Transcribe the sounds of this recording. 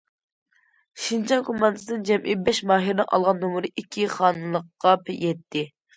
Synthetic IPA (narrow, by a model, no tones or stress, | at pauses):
ʃind͡ʒɑŋkʰomːɑnd̪ɨɨd̪ɨnd͡ʒɛmʔibɛʃmɑːɦɨɾnɪ̰ŋʔɑ̰lˠʁɑnːomʊɾɨʔikʲʰːiχɑːnɨlˠəqːɑpʰɛjɛt̪ʰːɪ